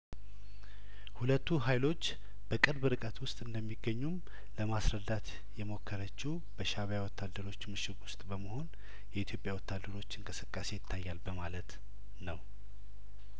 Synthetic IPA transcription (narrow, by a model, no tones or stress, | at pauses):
hulət̪ːuɦajlo̞t͡ʃː | b̥əkʼɨɾbɾɨkʼət̪wʊst̪ʼɨnd̪əmːiɡːəɲːum | ləmasɾəd̪ːat̪ | jɛmo̞kʰːəɾət͡ʃːi | b̥əʃaβjawɔt̪ʰːad̪əɾo̞t͡ʃːmɨʃɪkʼwʊst̪ʼbəməho̞n | jɛit̪ʰjo̞pʼjawɔt̪ʰːad̪əɾo̞t͡ʃːɨŋkʼɨsɨkʼːase̞jɪt̪ʰːajːalbəmalət̪ | nəw